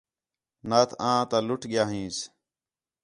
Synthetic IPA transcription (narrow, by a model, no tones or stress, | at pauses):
naːt̪ʰãːt̪ãːlʊʈʰɠɪjaːɦĩːs